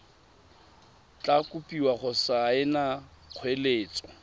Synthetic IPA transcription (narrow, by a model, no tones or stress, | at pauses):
t͡ɬʼakʼʊpʼiwaχʊsaɪnaq͡χʰweleːt͡sʼɔ̥